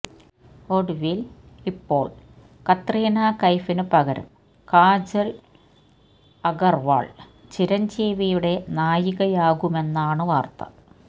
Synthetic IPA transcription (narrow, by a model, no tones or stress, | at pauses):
oɽuʋilipːo̞̰ːɭ | kɐt̪riːnaːkɐjfinɨpɐɣɐɾṵm | kaːd͡ʑɐl | ɐɣɐrʋa̰ːɭ | t͡ɕiɾɐɲd͡ʑeːʋijuɽe̞naːjiɣɐjaːɣume̞nːaːɳɨʋaːrt̪ɐ̰